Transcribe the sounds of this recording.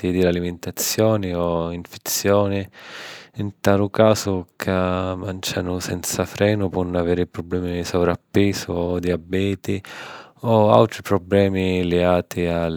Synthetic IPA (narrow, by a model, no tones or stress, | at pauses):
id̪ɪlaliment̪at̪sːjɔːnɪɔiɱfe̥t̪sːjɔːnɪ | int̪aːlʊkaːzʊkʰamant͡ʃanʊsɛnt̪safɾɛːnʊpwɔnːaveːɾɪpɾɔblɛːmisɔvɾapːɛːsʊɔd̪iabɛːt̪i | ɔa̰lt̪ɾipɾɔblɛːmilɛɡaːt̪ʰia